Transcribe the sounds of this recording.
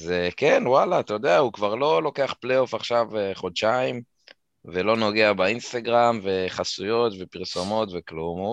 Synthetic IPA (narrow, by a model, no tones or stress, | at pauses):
zekenwalaːt̪ajo̞d̪eahukvaʁlo̞lo̞ke̞aχplejo̞faχʃaveχo̞d̪ʃaim | velo̞no̞ɡe̞abainst̪aɡʁamve̞χasujo̞t̪ve̞piʁso̞mo̞t̪veklumu